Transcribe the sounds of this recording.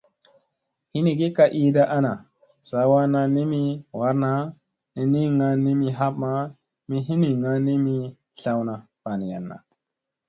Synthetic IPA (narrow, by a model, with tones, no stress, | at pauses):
hi˦ni˨ɡi˦ka˧ʔi˦da˦ʔa˦na˨ | sa˨˦wa˦na˧ni˦mi˧wa˨˦ɾna˦ | ni˨ni˦ŋa˧nːi˦mi˧ɦa˦p̚ma˦ | mi˦ɦi˦ni˨ŋa˦nːi˦mi˧ | ɬa˦wna˨ | pa˨ni˨ja̰˨nːa̰˨